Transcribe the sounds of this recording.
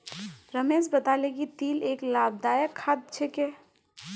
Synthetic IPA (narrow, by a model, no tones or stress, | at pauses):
ɾɐmeːzbɐt̪aːleɡit̪iːleːklaːb̚d̪aːjəkʰːad̪̚t͡ʃʰekeː